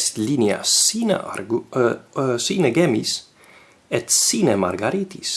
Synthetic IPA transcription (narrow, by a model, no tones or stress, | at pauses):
st̪linja̰sn | sinəɡemis | ɛt̪sinəma̰ɾɡaɾit̪ʰis